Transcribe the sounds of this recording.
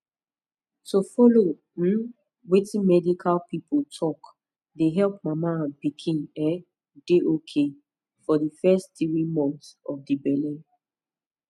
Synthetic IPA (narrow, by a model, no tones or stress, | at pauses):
tofɔlo | m̩ | wetĩnmɛdikʰalpipʰotʰɔk | deɦɛlp̚mamabikʰĩnɛ | deʔokʰe | fɔdəfɛstθɹimɔ̃nθɔfdibɛlĩn